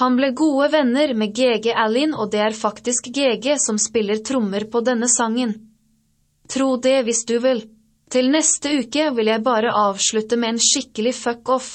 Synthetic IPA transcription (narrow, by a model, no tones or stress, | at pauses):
hɑnbleːɡuːəʋɛnəɾmeːɡeːɡeːʔælɪnoːd̪ɛːæːɾfɑkt̪ɪskɡeːɡeːsɔmspɪləɾt̪ʰɾʊməɾpʰoːd̪ɛnəsɑŋən | t̪ʰɾuːd̪ɛːʋɪsd̪ʉʋɪl | t̪ʰɪlnɛst̪əʉːkəʋɪljæɪbɑːɾəʔɑːʋʃɭʉt̪əmeːeːnʃɪkəlɪfœkɔf